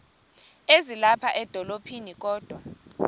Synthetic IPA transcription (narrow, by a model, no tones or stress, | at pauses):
ezilapʰaʔɛd̥ʱɔlopʰinik̬ʼɔːd̥ʱwa